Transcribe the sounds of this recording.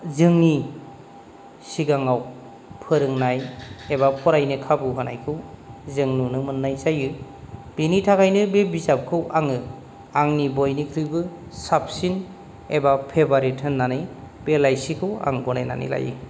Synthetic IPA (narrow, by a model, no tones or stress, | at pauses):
zɯŋni | siɡaŋaw | pʰɯɾɯŋnajebapʰɔɾajnɯkʰabɯɦana̰jkʰɯwzɯŋnunɯmɯnːajzajɯ | b̥enitʰakajnɯbebizap̚kʰɯwʔaŋɯ | aŋnibɔjnikʰɾibɯsap̚sin | ebapʰebaɾetʰɯnːanɯj | b̥elajsikʰɯwa̰ŋbɔnajna̰nḭla̰jɯ̰